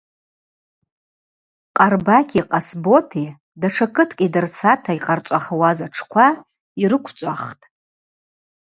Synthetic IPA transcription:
qʼarbakʲʰʼiqʼasbo̞tʰi | daʈ͡ʂʰakʰɨtʰkʲʼidɨrt͡sʰatʰaiqʼart͡ʃʷʼaχawazaʈ͡ʂʰkʷʰa | iɾɨkʷʰt͡ʃʷʼaχtʼ

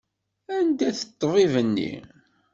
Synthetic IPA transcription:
ænd̪æθət̪ˤːvivənːḭ

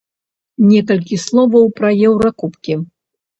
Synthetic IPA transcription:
nʲɛkɐlʲkʲislˠɔvɐwpɾɐjɛwɾɐkupkʲi

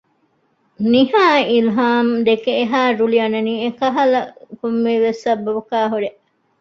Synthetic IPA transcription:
niɦaːilɦaːmd̪ekeeɦaːɾuliɐnɐniːekɐɦɐlɐkumːiːʋesːɐbɐbukaːɦuɾeʔ

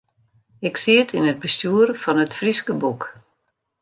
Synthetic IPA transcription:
ɪksiətʰinət̚bəstuːərfɔnətfriskəbuk

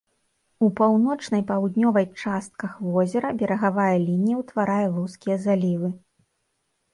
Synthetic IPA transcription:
upawnɔt͡ʂnɐjpawd̪nʲɔvɐjt͡ʂast̪̚kɐxvɔzʲɛɾɐbʲɛɾɐɣavajɐlʲinʲijɐwt̪vaɾajɐlˠuskʲijɛzalʲivɨ

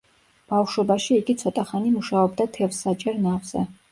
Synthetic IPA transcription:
b̥afʃwɔbaʃiːɡit̪sʰɔt̪ʼaχanimuʃaɔbd̪at̪ʰɛfsat͡ʃʼɛɾnavz̥ɛ̰

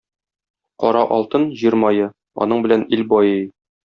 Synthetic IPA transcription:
qɒɾɑʔɒlˠt̪ɤnʑiɾmɑjɤ | ɒ̰n̪ɤɴbɘ̆lænilbɒjɤj

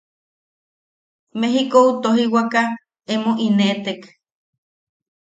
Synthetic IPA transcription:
meɦikout̪oɦiwaka | emoʔinet̪ek

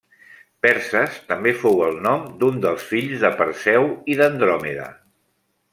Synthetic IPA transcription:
pɛɾsəst̪əmbefowəlˠnɔmd̪und̪əlˠsfiʎzðəpəɾsɛwiðənd̪ɾɔmiðə̰

